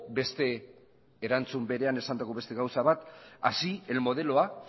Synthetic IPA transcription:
be̞st̪e̞ː | ɾant͡sumbe̞ɾe̞ane̞sand̪akoβe̞st̪e̞ɣawsaβat̪asie̞lmo̞ð̞e̞loa

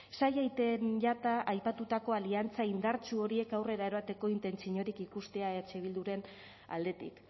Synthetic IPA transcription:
sajajt̪enʎat̪aʔajpat̪ut̪ako̞aliant͡saind̪aɾt͡ʃuo̞ɾie̞kawre̞ɾae̞ɾβat̪e̞ko̞int̪e̞nt͡siɲo̞ɾikikust̪e̞aet͡ʃe̞β̞ild̪uɾe̞n | a̰ld̪e̞t̪ḭk

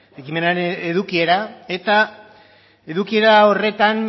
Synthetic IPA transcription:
e̞kime̞naɾeneðukie̞ɾae̞t̪a | e̞ðukie̞ɾao̞re̞t̪an

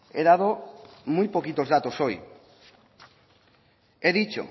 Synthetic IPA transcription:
eðaðomujpokit̪ozðat̪osoj | eðit͡ʃo̰

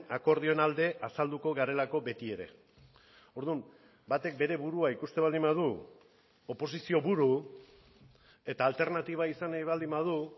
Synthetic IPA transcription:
ako̞ɾð̞io̞nald̪e̞ʔasald̪uko̞ɣaɾe̞lako̞be̞t̪ie̞ɾe̞̰ | o̞ɾðum | bat̪e̞k̚be̞ɾe̞βuɾuaikust̪e̞βald̪imbað̞u | o̞po̞s̬isio̞βuɾu | e̞t̪aːlt̪e̞ɾnat̪iβ̞aisanβald̪imbað̞u

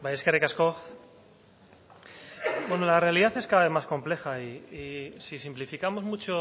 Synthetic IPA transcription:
bajeskerekaskoθ | bwe̞nolare̞aliðaθe̞skaðaβemasko̞mple̞xaiː | sisimplifikamo̞zmut͡ʃo

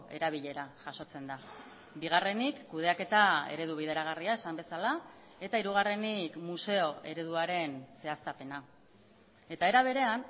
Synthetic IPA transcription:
e̞ɾaβ̞iʎe̞ɾaʝaso̞t͡se̞nd̪a | biɣare̞nikːuðe̞ake̞t̪ae̞̰ɾe̞ð̞uβ̞iðe̞ɾaɣ̞ariae̞sambe̞sala | e̞t̪aiɾuɣ̞are̞nikmuse̞o̞e̞ɾe̞ð̞uaɾe̞nse̞ast̪ape̞na | e̞t̪ae̞ɾaβ̞e̞ɾe̞an

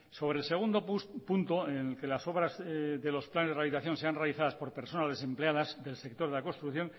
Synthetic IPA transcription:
so̞β̞ɾelse̞ɣ̞und̪opunt̪oenelke̞laso̞βɾazðelo̞splanezðraβit̪aθjo̞nse̞anrealiθaðaspo̞ɾpe̞ɾso̞nazðe̞se̞mpleaðazðe̞lse̞k̚t̪o̞ɾðelakost̪ɾukθjo̞n

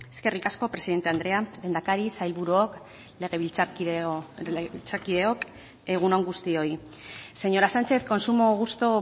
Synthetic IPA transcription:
e̞ske̞rikasko̞pɾe̞siðe̞nt̪e̞and̪ɾe̞alend̪akaɾisajlβuɾuok | le̞ɣeβilt͡s | eɣβilt͡sakiðe̞o̞k | e̞ɣ̞unoŋɡust̪io̞i | se̞ɲo̞ɾasant͡ʃe̞θko̞nsumo̞ɣ̞ust̪o

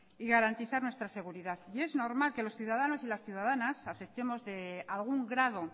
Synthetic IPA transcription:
iɣaɾant̪iθaɾnwe̞st̪ɾase̞ɣ̞uɾiðaθie̞zno̞ɾmalke̞lo̞sθjuðað̞ano̞silasθjuð̞aðanasaθe̞p̚t̪e̞mo̞zðe̞alɣ̞uŋɡɾað̞o̞

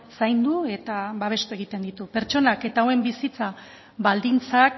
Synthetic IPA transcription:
sajnd̪ue̞t̪aβaβ̞e̞st̪ue̞ɣ̞it̪e̞nd̪it̪upe̞ɾt͡ʃo̞nake̞t̪aoe̞mbisit͡sa | βald̪int͡sak

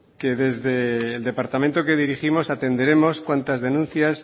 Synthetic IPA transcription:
ke̞ðe̞zðe̞ːld̪e̞paɾt̪amẽ̞nt̪oke̞ðiɾiximo̞sat̪e̞nd̪eɾe̞mo̞skwant̪azðe̞nũn̟θjas

